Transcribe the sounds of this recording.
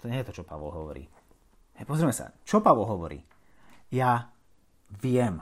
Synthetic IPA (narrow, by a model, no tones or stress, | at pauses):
t̪ɔɲɛjɛt̪ɔt͡ʃɔpaʋɔ̰lˠɦɔʋɔ̰ɾḭː | pɔzɾiɛmɛsa̰t͡ʃɔpaʋɔlˠɦɔʋɔɾḭː | ja | ʋɪjɛm